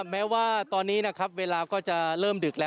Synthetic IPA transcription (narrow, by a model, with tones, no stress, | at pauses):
mɛː˦˥waː˥˩t̪ɔː˧nːiː˦˥na˦˥kʰa˦˥p̚weː˧laː˧kɔː˥˩t͡ɕa˨˩ɾɤː˥˩mdɯː˨˩k̚lɛː˦˥